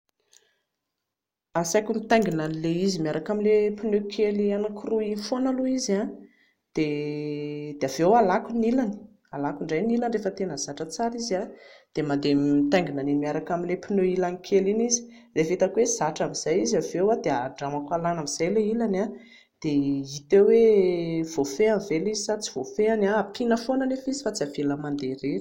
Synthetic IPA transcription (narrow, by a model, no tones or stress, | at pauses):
asajkumit̪ajŋɡinanileizimiaɾʔakaminlepinøkʰelianakʰuruifonaluiza | d̪̥e | d̪̥eavewalakunilani̥ | alakuɳɖ͡ʐajnilanrefət̪enəz̥aʈ͡ʂət͡saɾizad̪̥emand̪eit̪aŋɡinanemiaɾakamilepinoilanikʰelinizi̥ | refit̪akwez̥aʈ͡ʂamiz̥ajizavewad̪eaɳɖ͡ʐamakalanamiz̥ajleilana | d̪̥eit̪ewev̥ofeamivelizisat͡si̥v̥ofeanaːpʰinəfonanefizi̥fat͡siavelamand̪eɾeɾi̥